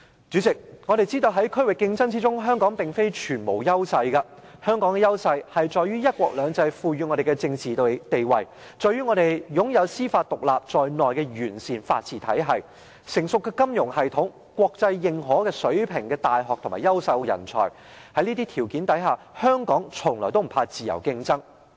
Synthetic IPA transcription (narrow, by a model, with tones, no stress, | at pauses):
t͡ʃyː˨˥t͡sɪ˨k̚ŋɔː˨˧ɾe˨jt͡siː˥t̪o˧wɦɐ˨˥jkʰɵ˥ɥwɪ˨˩kːɪ˧ŋt͡sɐ˥ŋt͡siː˥t͡ʃʊ˥ŋɦœː˥ŋkɔː˨˥ŋpɪ˨ŋfe˥jt͡ʃʰyː˨˩nmo˨˩wjɐ˥wsɐ˧jkɐ˧hœː˥ŋkɔː˨˥ŋkɛ˨˧jɐ˥wsɐ˧jhɐ˨jt͡sɔː˨jyː˥jɐ˥t̚kʷɔː˧k̚lœː˨˧ŋt͡sɐ˧jfuː˧jyː˧ŋɔː˨˧ɾe˨˩jkɛ˧t͡sɪ˧ŋt͡siː˨t̪e˨jwɐ˨j | t͡ʃɔː˨˧jɥyː˥ŋɔː˨˧ɾe˨˩jjʊ˨˥ŋjɐ˨˧wsiː˥faː˧t̚t̪ʊ˨k̚laː˨p̚t͡ʃɔː˨jnɔː˨jkɛː˧ɥyː˨˩nsiː˨˩nfa̰ː˧t̚t͡sʰiː˨t̪ʰɐ̰˨˥jɦɐ˨j | sɪ˨˩ŋsʊ˨kːɛː˧kɐ˥mjʊ˨˩ŋhɐ˨jt̪ʰʊ˨˥ŋ | kʷɔː˧k̚t͡sɐ˧jːɪ˨ŋɦɔː˨˥kɛː˧sɵ˨˥ɥpʰɪ˨˩ŋkɛː˧t̪aː˨jɦɔː˨k̚t̪ʰʊ˨˩maː˨˩jɐ˥wsɐ˧wjɐ̰˨˩nt͡sʰɔ̰ː˨˩j | hɐ˨˥jniː˥t̪iː˥t̪ʰiː˨˩wkiː˨˥nt̪ɐ˨˥jɦaː˨˩ | hœː˥ŋkɔː˨˥ŋt͡sʰʊ˨˩ŋlɔː˨˩t̪o˥m̩˨˩pʰaː˧t͡siː˨jɐ̰˨˩wkɪ˧ŋt͡sɐ˥ŋ